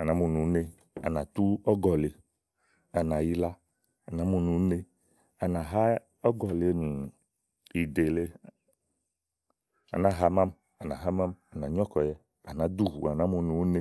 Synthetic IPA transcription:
a˨nã˨˦mũ˨nũ˨˦ne˦ | a̰˨nã˨t̪u˦ɔ˦ɡɔ˨le˨ | a˨nã˨ji˦la˦ | a˨nã˨˦mũ˦nũ˨˦ne˦ | a˨nã˨ɦa˦ | ɔ˦ɡɔ˨le˨e˦nũ˨ | i˨de˨le˦ | a̰˨nã˦ɦa˦mã˦m | a˨nã˨ɦa˦mã˦ma˨nã˨ɲɔ̃˦kɔ˨jɛ˦ | a˨nã˨d̪u˦ɦu˨a˨nã˦mũ˨nũ˨wne˦

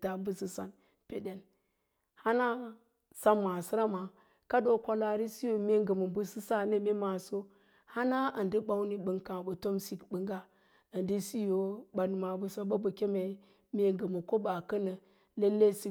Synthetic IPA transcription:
ta˨bu˦si˦sa̰˨n | pḛ˨de˨n | ha˦na˦ | sa˦mːa˨si˦ɾa˦ma˨ | ka˦do˦kʷa˦la˨ɾi˦si˦jo˨me˦ɡə˨mu˨mbu˦si˦sa˦ne˦me˦ma˨so˦ | ha˦na˦ə˨ndi˦ba˦wni˦bɨ˨ŋkã˨bə˨to˦msi˦kbə˨ŋɡa˦ | ə˨ndi˦si˦jo˨ba˨n˨ma˨bu˨so˦ba˦bə˨kʲe˦me˨˦ | mʲe˦ŋɡə˨mu˨ko˦ba˨kə˦nə˨ | le˦lːe˦si˦

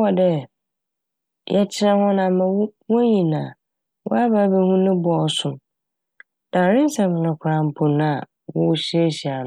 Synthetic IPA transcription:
wɔ˨dɛ˦ | jʔɛ˦t͡ɕʰɪ˦nã˦hɔ̃˦nã˨mã˨˦wʊ̃˦ɲĩ˨nãː˨ | wʊ̰˦a˦ba˦be˦hũ˦nʊ̃˦bʊ˨ɔ˨sʊ̃˨ | d̥ã˨ɾɪ̃˦n˦sɛ˨mɪ̃˨nʊ̃˨kʰʊ˨ɾã˨m˨pʰʊ˨nʊ̃˦a˨ | wʊ˦wʊ˨ɕi˦e˦ɕi˨a˨ñ˨

